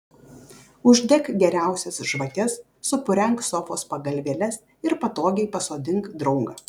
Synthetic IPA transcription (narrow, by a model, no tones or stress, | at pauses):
ʊʒʲd̪ʲɛkɡʲɛɾʲæˑʊsʲɛsʒʋɐt̪ʲɛsː | ʊpʊɾʲɛŋˑksɔfoːspɐɡɐlʲʋʲeːlʲɛs | ɪɾpɐt̪oːɡʲɛɪpɐsoːd̪ʲɪŋkd̪ɾɔʊŋɡɐː